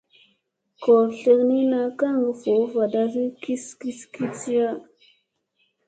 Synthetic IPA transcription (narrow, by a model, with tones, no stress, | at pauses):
ko˨ɾɬe˦ɾni˦na˦ka˦ŋ˨ɡə˨fo˨˦va˨da˦˨ɣi˦ki˦ski˦ski˦ti˦ja˦